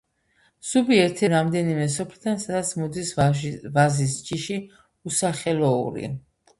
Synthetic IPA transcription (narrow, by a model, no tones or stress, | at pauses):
subiɛɾt̪ʰɛɾamd̪ɛnimɛs̬ɔpʰlid̪ʰansad̪at̪sʰmɔd̪isvazis̬d͡ʒiʃi | usaχɛlɔṵɾḭ